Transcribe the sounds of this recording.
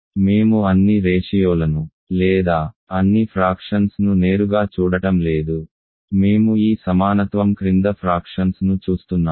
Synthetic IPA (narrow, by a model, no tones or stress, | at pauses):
me̞ːmuɐnːiɾeːʂijoːlɐnu | lɛːd̪aːɐnːipʰɾaːkʂɐnsnune̞ːɾuɡaːt͡ʃuːɽɐʈɐmle̞ːd̪u | me̞ːmuiːsɐmaːnɐt̪ʋɐmkɾind̪ɐpʰɾaːkʂɐnsnut͡ʃuːst̪unːaː